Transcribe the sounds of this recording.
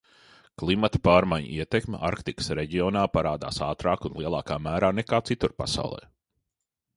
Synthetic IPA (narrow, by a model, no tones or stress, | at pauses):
klˠimat̪ɐ̥paːɾmajɲ̰iɛt̪ekm̰ʲʔaɾkt̪ikə̥sɾeɟioːnaːpaɾaːd̪a̰ːsaːt̪ɾaːkunlˠiɛlˠaːkaːmæːɾaːnekaːt̪sit̪uɾpa̰sa̰wlˠɛ̰ː